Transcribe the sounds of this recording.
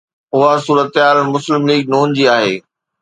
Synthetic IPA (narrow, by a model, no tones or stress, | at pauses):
ʊɦasuːɾət̪ɪɦaːɾəmʊslɪmliːɡ̚nuːnd͡ʑiːaːɦeː